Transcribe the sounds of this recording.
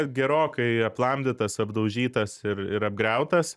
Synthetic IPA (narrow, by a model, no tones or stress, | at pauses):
ɡʲɛɾoːkɐɪɐplˠɐmʲd̪ʲɪt̪ɐsɐbd̪ɐʊʒʲiːt̪ɐsɪɾɪɾɐb̚ɡɾʲɛʊt̪ɐs